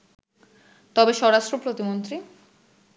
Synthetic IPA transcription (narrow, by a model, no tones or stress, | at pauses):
t̪ɔbeʃɔɾaʃʈɾopɾot̪imont̪ɾi